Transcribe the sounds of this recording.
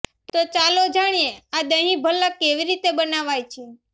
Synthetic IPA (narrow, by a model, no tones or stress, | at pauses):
t̪ot͡ʃalod͡ʒaɽ̃ijead̪əɦĩbʱəlːakeʋiɾit̪ebənaʋajt͡ʃʰe